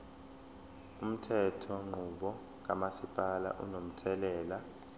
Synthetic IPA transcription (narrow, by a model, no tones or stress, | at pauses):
um̩tʰɛtʰɔŋ͡ǃʱuɓɔ | k̬ʼamasipʼala̰ʔṵnom̩tʰɛlɛːla